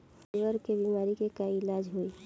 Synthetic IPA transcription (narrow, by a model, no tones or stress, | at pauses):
ʋəɾkebiːmaːɾikekaɪlaːd͡ʒɦoi